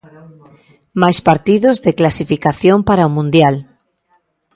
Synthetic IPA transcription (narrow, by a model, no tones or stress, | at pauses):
majspaɾt̪iðozðeklasifikaθjompaɾaomũnd̪jal